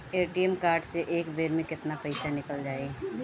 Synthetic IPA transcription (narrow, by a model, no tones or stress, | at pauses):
eːʈiemkaːɾɖseʔeːkbeːɾmẽkɪt̪napəɪsanɪkəld͡ʒaːe